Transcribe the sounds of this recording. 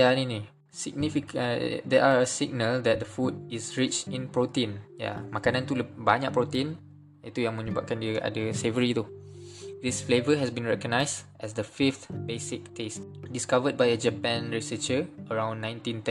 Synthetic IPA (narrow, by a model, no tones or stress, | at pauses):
janini | siɡ̚nifikdɛʔaɹəsiɡ̚nəldɛt̚dəfud̚isɹit͡ʃtĩnpɹot̪ĩnja̰makanãnt̪uləbaɲa̰ʔ̚pɾot̪ĩn | it̪ujãŋmə̃ɲəbaʔ̚kandiəʔa̰dəsevəɹit̪u | disflevəɦɛsbĩnɹɛkəɡ̚najsʔɛsdəfift̪besikːesdiskavəd̚bajəd͡ʒəpɛ̃nɹisət͡ʃəəɹãw̃nːãj̃ntĩnt̪ɛ̃n